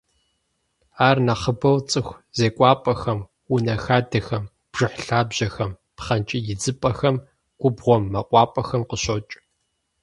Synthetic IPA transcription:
aːrnɐχəbɐwt͡sʼɨxʷzeːkʷʼɑːpʼɐxɐm | unɐxaːdɐxɐm | b̥ʐ̥ɨħɬaːbʑ̥ɐxɐm | pχɐnt͡ʃʼɪjɪd͡zɨpʼɐxɐm | ɡ̥ʷʊbʁʷɔmːɐqʷʼɑːpʼɐxɐmqəɕɐt͡ʃʼ

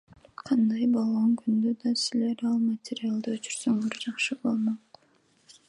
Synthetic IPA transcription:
qʰɑnd̪ɑjbolˠʁoŋkʰynd̪ød̪ɑsile̞ɾɑlˠmatʲɪɾʲialˠd̪ɯøt͡ʃyɾsø̞ŋøɾd͡ʒɑqʃɯbo̞lˠmoq

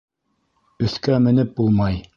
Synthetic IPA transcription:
ɵ̆θkæmɘ̆nɘp̚bulˠmɑj

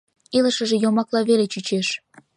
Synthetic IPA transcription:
iləʃəʒejomɑklɑβelet͡ɕyt͡ɕeʃ

